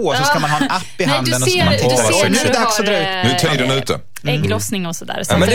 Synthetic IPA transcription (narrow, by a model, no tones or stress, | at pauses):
sɔskamanhɑːɛnapːɪɦand̪ənɔat̪ʰɪnʉɛd̪aksɔd̪ɾɑːʉːt̪nʉt̪ʰɑd̪ɛnʉ̟ːt̪ə̰ | ɛlɔsnɪŋɔsɔd̪æ̰ːɾmɛ